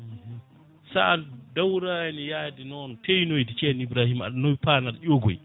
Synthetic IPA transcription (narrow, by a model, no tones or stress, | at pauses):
sadawɾajnijaːdinɔntʰejnojdit͡ʃɛnibɾaːhima̰ɗnopaːnaɾʔoɡɔ̰j